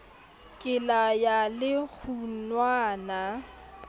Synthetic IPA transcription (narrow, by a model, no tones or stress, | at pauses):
kʼɪlajalɪk͡xʰunwaːna